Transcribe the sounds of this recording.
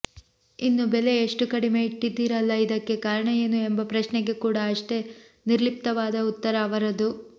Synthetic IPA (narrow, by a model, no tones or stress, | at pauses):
inːubele̞eʂʈukɐɽime̞iʈːid̪ːiːɾɐlːɐid̪ɐkːe̞kaːɾɐɳɐjenːuembɐpɾɐʂneɡe̞kuːɽɐːʂʈe̞ | niɾlip̚t̪ɐʋaːd̪ɐut̪ːɐɾɐːʋɐɾɐd̪u